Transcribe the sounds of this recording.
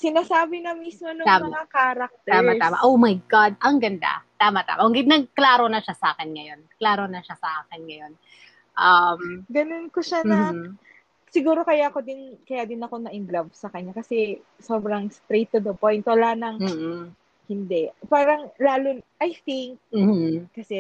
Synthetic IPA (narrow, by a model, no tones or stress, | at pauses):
sɪnaːsaːbɪnɐmismonot̪amɐŋakaːɾɐk̚t̪t̪aːmaaːma̰ʔowmɐjɡad̪̚ʔɐŋɡɐnd̪a̰t̪aːmɐt̪a̰ːmɐʊɡɪd̪̚nɐɡ̚klaːɾonɐʃasɐʔaːkɪnŋɐjo̞nklaːɾonɐʃasɐʔaːkɛnŋɐjo̞n | ʔɐmɡɐnonkoʃamnɐ | sɪɡuːɾo̞kɐjako̞d̪ɪnkɐjad̪ɪnɐko̞nɐʔɪmblɐbsɐkɐɲːakɐsɛ | soːbɾɐŋst̪ɾejt̪ːʊd̪ɐpojnt̪wɐlaːnɐŋm̩ː | hɪnd̪ɛpaːɾɐŋlaːlonʔɐjθiŋk̚m̩ːh̩ːɐsɛ